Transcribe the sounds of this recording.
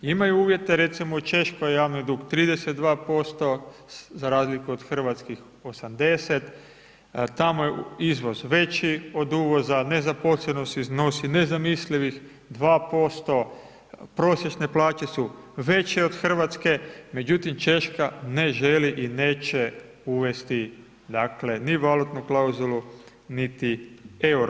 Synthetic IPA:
imajuuːʋje̞t̪e̞ɾe̞t̪simot͡ʃe̞ʃkojjaːʋnid̪uɡt̪ɾiːd̪eset̪̚d̪ʋaːpo̞st̪o̞zaɾaːzlikuod̪xr̩ʋat̪skix | o̞samd̪e̞set̪ | t̪amojeizʋo̞zʋe̞t͡ʃio̞d̪uːʋo̞zane̞zapo̞sleno̞st̪izno̞sine̞zamisliʋix | d̪ʋaːpo̞st̪o̞ | pɾo̞sjet͡ʃne̞plaːt͡ʃe̞su | ʋe̞t͡ɕeod̪̥xr̩ʋat̪ske̞me̞d͡ʑut̪imt͡ʃe̞ʃkane̞ʒeliʔineːt͡ʃe | uʋe̞st̪i | d̪akle̞niʋalut̪nuklauzulˠu | nit̪ie̞wɾo

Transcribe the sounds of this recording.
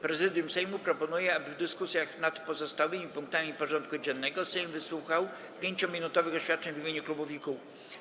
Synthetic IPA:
pɾɛzɘd̪ʲjumsɛjmupɾɔpɔnujɛabɘvd̪ɘskusʲjaxnat̪pɔzɔst̪awɘmʲipuŋkt̪amʲipɔʐɔnt̪̚kud͡ʑɛnːɛɡɔsɛjmvɘswuxaw | pʲjeɲt͡ɕɔmʲinut̪ɔvɘxɔɕfʲat̪̚t͡ʂɛɲvimʲeɲuklubuvʲiku

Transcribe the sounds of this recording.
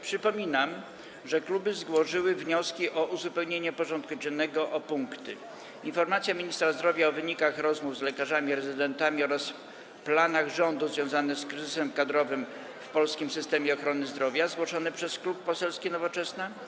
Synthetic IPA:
pʂɘpɔmʲinam | ʐɛklubɘzɡwɔʐɘwɘvɲɔskʲiʔɔʔuzupɛwɲeɲɛpɔʐɔnt̪̚kud͡ʑɛnːɛɡɔʔɔpuŋkt̪ɘ̰ | infɔɾmat̪sʲjamʲiɲist̪ɾazd̪ɾɔvʲjaɔvɘɲikaxɾɔzmuvzlɛkaʐamʲiɾɛzɘd̪ɛnt̪amʲiɔɾas | planaɣʐɔnd̪uzvʲjɔ̃w̃zanɛskɾɘzɘsɛmkad̪ɾɔvɘm | fpɔlskʲimsɘst̪ɛmʲjɛɔxɾɔnɘzd̪ɾɔvʲjazɡwɔʂɔnɛpʂɛsklupːɔsɛlskʲɛnɔvɔt͡ʂɛsnɛ

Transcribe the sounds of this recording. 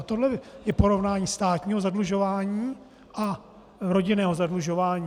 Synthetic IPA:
t̪odlɛjɛpoɾo̞vnaːɲiːst̪aːt̪ɲiːɦozadluʒo̞vaːɲiː | ʔa | ɾo̞ɟɪnɛːɦozadluʒo̞vaːɲiː

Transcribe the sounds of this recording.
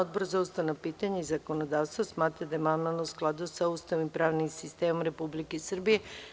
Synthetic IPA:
od̪̚boɾzaust̪aʋnapiːt̪aɲeizako̞nod̪aːʋst̪ʋosmaːt̪ɾad̪ajemanmalnousklˠad̪usaust̪aʋimpɾaːʋnimsist̪eːmomɾe̞publikesr̩bije

